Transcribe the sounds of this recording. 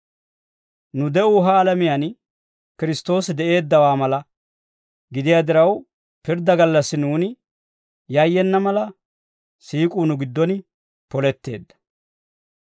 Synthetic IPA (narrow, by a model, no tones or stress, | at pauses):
nʊd̪ɛʔuɦaːlɐmɪjan | kɪɾɪst̪o̞ːsɪd̪ɛʔe̞ːd̪ːɐwaːmɐlɐ | ɡɪd̪ɪjaːd̪ɪɾɐw | pɪɾd̪ɐɡɐlːɐsːɪnuːnɪ | jɐjːɛnːɐmɐlɐ | siːkʼuːnʊɡɪd̪ːɔn | pɔlɛt̪ːe̞̰ːd̪ːɐ̥